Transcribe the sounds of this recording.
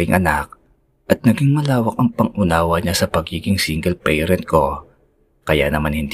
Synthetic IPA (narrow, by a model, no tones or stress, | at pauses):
ɪŋʔɐnak̚ | ʔɐt̪̚nɐɡiŋmɐlaːwɐk̚ʔɐŋpɐŋʔʊnaːwɐɲasɐpɐɡiːɡɪŋsiŋɡɛlpɛjɾɛnt̪̚ko̞ | kɐja̰nɐmanhɪnd̪